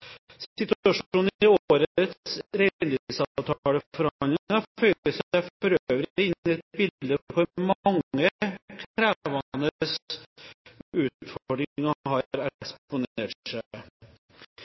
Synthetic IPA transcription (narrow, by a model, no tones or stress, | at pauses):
sɪt̪ʉɑʂuːnɪoːɾət̪sɾɛnɪsɑʋt̪ʰɑɑːɽəfɔɾɑnɪŋɑfœʏəsfɔɾøːʋəɾɪnɛt̪̚bɪld̪əfɔɾmɑŋːəkʰɾæːʋɑnəs | ʉːt̪fɔɔɖɾɪŋɑɦɑɾɛkspʊneːʈʂæ